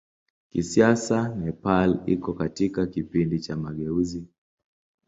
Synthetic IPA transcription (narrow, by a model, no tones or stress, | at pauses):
kisiasanɛpalikɔkatikakipindit͡ʃamaɠɛuzi